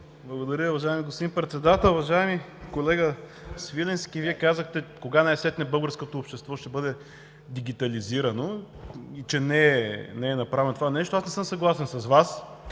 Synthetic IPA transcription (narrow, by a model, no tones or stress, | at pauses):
blˠɐɡod̪ɐɾʲəuvɐʒaɛmiɡospd̪inpɾɛt̪sɛd̪at̪ɛlˠuvɐʒaɛmi | kolɛɡə | svilɛnskʲiviɛkazəxt̪ɛkoɡanɛɛsɛt̪nɛbɤlˠɡəɾskot̪oːpʃt̪ɛst̪vɔʃt̪ɛbɤd̪ɛ | d̪iɡ̟ʲit̪ɐliziɾɐno | it͡ʃɛnɛnɛːnɐpɾavɛnot̪ovanɛʃt̪oasnɛsɤmsɐɡlˠasɛnsɐzvas